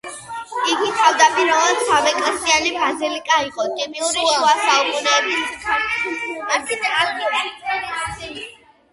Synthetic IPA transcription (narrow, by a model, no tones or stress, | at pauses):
iɡit̪ʰʼavd̪apʼiɾɔansamɛkʼɾist̪ʼianibazilikʼaiqʼɔt̪ʼimiuɾiɛasaukʼunɛːbis | aɡi